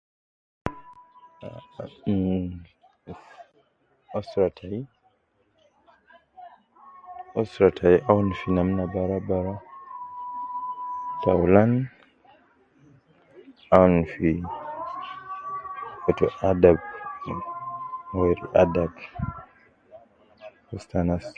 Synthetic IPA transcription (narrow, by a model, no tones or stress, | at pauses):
ɔstɾatʰaj | ɔstɾatʰajʔawnfinamnabaɾabaɾa | tawlan | awnfi | ɔtɔʔadab̚ | wɛɾiʔadab | ɔstanas